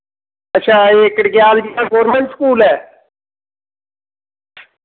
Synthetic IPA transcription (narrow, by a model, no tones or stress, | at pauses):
ətːʃʰaːeːkəɽɡɪjaːld͡ʒiãːɡoːɾmẽɳʈskuːlɦɛː